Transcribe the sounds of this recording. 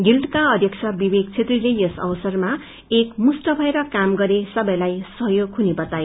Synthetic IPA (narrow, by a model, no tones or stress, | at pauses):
ɡilʈkaʌd̪ʱjʌksʰʌrbibeɡt͡sʰet̪rilejʌsʌ̰wsʌrma | ekmusʈʌbʱʌeɾʌkamɡʌɾesʌbʌjlajsʌɦjoɡɦunebʌt̪aje